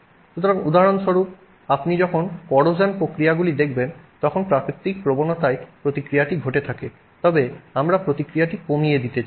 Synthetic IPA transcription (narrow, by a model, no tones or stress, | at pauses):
sut̪ʰɔɹɔkud̪aɹɔnsɔɹup̚ | apnizɔkʰɔnkɔɹozanpɹokɹijaɡulid̪ekʰbɛnt̪ɔkʰɔnpɹakɹit̪ːik̚pɹobɔnɔt̪ajpɹot̪ikɹijatiɡʱotɛt̪ʰakɛ | t̪ɔbɛamɹapɹot̪ikɹijatikomijedit̪ɛ